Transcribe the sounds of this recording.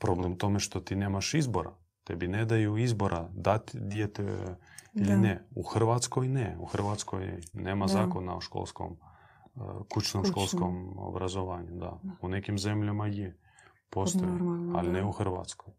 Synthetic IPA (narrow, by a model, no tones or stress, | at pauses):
pɾoblɛmt̪omɛʃt̪ot̪inemaʃizboɾa̰ | t̪ɛbinɛd̪ajuizboɾʔad̪at̪ʲd̪ʲjet̪ɛ | ilɪnɛuxrʋat̪skojnɛuxrʋat̪sko̰jnɛmazakona̰oʃko̰lˠsko̰m | kut͡ʃnomʃkolˠskomo̰bɾazoʋaɲud̪a̰unɛkimzɛmʎamajɛ | post̪oa̰lnɛuxrʋa̰t̪skoj